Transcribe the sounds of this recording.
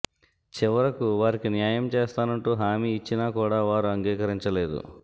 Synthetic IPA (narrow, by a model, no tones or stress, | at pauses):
t͡ʃiʋɐɾɐkuʋaːɾikinjaːjɐmt͡ʃeːst̪aːnɐɳʈuːɦaːmiːt͡ʃːinaːkuːɽaːʋaːɾuɐŋɡiːkɐɾiɲt͡ʃɐle̞ːd̪ṵ